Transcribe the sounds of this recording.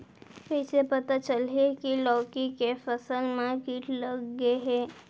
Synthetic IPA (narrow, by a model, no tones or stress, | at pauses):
piːt͡ʃʰepɐt̪at͡ʃəlekilɔːkikefəsəlmẽɡiːʈləɡːeɦɛː